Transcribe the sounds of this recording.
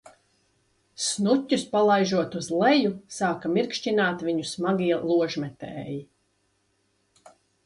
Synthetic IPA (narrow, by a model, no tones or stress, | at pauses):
snutʲːuspalˠajʒuɔt̪uzlˠɛjusaːkamiɾkʃt͡ʃinaːt̪vʲiɲusmaɡiɛlˠuɔʒmɛt̪ɛ̰ːji